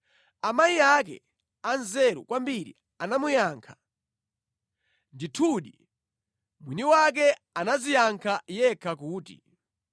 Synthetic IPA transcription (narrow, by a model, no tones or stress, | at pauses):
amajiak̬ɛ̰ | anzɛɾṵkwambiɾḭ | anamujaŋkʰḁ | nditʰuɗi | mwiniwak̬ɛ | anazijaŋkʰajɛkʰakuːtḭ